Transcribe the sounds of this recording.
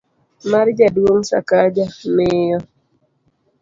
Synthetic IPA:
maɾd͡ʒadwoŋsa̰kad͡ʒamɪjɔ

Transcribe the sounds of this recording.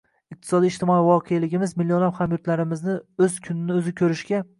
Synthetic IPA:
ɪq̚t̪ʰɪ̥sɒd̪iːʃt̪ʰɪmɒivɒqʰejalɪɡʲɪmɪzmɪlːjonlafhamjʊɾt̪laɾɪmɪznɪɵz̥kʲʰʊnɪnɪɵzɪkʲʰɵɾɪʃkʲa

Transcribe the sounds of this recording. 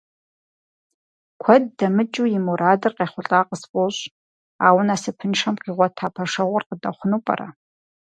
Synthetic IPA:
kʷʰɔd̚ːɐmɨt͡ʃʼujɪmuɾʔaːdɨrqeːχʷʊɬʼaːqəspʼoɕ | aːwʊnaːsɨpʰɨnʂɐmqiːʁʷɔtʰaːpʰɐʂɐʁʷʊrqədɐχʷʊnuːpʼɐ̰rɐ̰

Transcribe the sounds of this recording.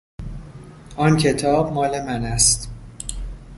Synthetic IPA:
ʔɒːncʰe̞t̪ʰɒːb̚mɒːle̞mænæst̪

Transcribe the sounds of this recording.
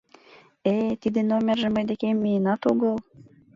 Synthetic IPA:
et̪id̪enomʲerʒĕməjd̪ekemːijenɑt̪oɣɤl

